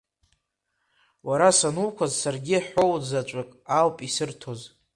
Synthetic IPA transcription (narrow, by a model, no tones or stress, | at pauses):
waɾasanuwkʷʰazsarɡʲiaħo̞wd͡zat͡ʃʷʼakʼalpʼisɨrtʰo̞z